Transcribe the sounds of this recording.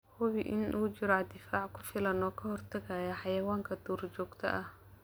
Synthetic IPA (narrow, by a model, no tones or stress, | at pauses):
hʊβɪʔɪ̰nʔuːt͡ʃɪɾʕɑd̪ɪfaːʕkʰʊfɪlɐnɔːkʰɐhɔrt̪ʰɐɣɐjɐħɑjɐwaːŋkʰɐd̪uːrt͡ʃɔːɡt̪ʰɐ̰ʔɐh